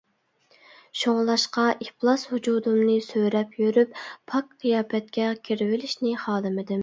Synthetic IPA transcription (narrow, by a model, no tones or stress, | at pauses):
ʃoŋlˠɑʃqɑʔiplˠɑshud͡ʒuːd̪umnɨsøɾɛpjøɾyppʰɑk̚qʰijɑːpʰɛt̪̚kʲɛkʲʰiɾɪvɪlɪʃnɪχɑːd̪ɨmɪd̪ɪm